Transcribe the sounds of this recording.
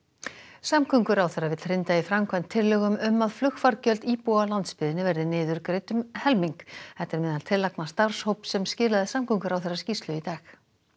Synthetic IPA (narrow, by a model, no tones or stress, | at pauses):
samkʰʏŋkʏɾawθɛrːavɪt̪r̥ɪnt̪aifɾamkʰvajnt̪ʰːɪlːœɣʏmʏmːaðflʏxfaɾcœlt̪iːpualant̪spɪðɪnɪvɛɾðɪnɪːðʏɾkɾejt̪ʏmhɛlmiŋkɛt̪ɛɾmɛðant̪ʰɪlːaknast̪ar̥showpsɛmscɪːlaðɪsamkʰʏŋkʏɾawθɛrːascist̪lʏit̪aːx